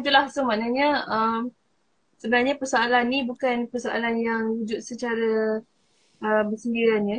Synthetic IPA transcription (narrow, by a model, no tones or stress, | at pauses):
it̪ulahsʊŋmanaɲaəm | səbənarɲapərsoalanːibukanpərsoʔa̰lanjaŋhud͡ʒʊt̪̚sət͡ʃaɾa | əbərsəndiɾanja